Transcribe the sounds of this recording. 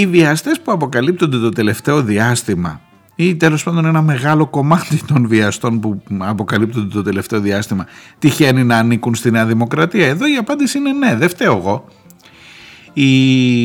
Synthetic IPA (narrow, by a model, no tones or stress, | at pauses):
iviɐst̪e̞spuɐpo̞kɐlip̚t̪o̞nd̪e̞t̪o̞t̪e̞le̞ft̪e̞o̞ðiɐst̪imɐ̰ | it̪e̞lo̞spɐnd̪o̞ne̞nɐme̞ɣɐlo̞ko̞mɐt̪it̪o̞nviɐst̪o̞npuɐpo̞kɐlip̚t̪o̞nd̪e̞t̪o̞t̪e̞le̞ft̪e̞o̞ðiɐst̪imɐt̪içe̞ninɐːnikunst̪ineɐðimo̞kɾɐt̪iɐe̞ðo̞iɐpɐnd̪isiine̞ne̞ðe̞ft̪eoɣo̞ | i